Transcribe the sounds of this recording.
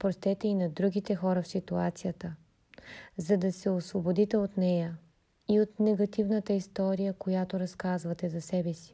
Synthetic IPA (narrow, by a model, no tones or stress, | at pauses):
pɾost̪ɛt̪ɛinɐd̪ɾuɡʲit̪ɛxɔɾəfsit̪uat̪sijət̪ə | zɐd̪ɐsɛosvobod̪it̪ɛot̪nɛjə | iot̪nɛɡɐt̪ivnət̪əist̪ɔɾijəkojat̪oɾɐskazvɐt̪ɛzɐsɛbɛsi̥